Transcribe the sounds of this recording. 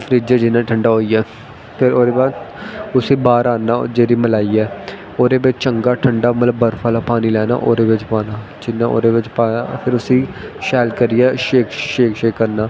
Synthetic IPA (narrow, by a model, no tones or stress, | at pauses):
pʰəɾiːd͡ʒeːd͡ʒɪnːãːʈʰəɳɖaːɦoːiːɛː | pʰɪɾoːd̪eːbaːd̪ʊsĩːbaːɾaːnːaːd͡ʒeːɾiːməlaːiːɛː | oːd̪eːbɪt͡ʃt͡ʃəŋɡaːʈʰəɳɖaːmət̪ləbːəɾpʰaːlaːpaːniːlɛːna̰ːʔoːɾeːʋɪt͡ʃpaːnaː | d͡ʒɪnːãːo̰ːɾeːʋɪt͡ʃpaːpʰɪɾʊsĩːʃɛːlkəɾiɛːʃeːkʃeːkʃeːkːəɾnaː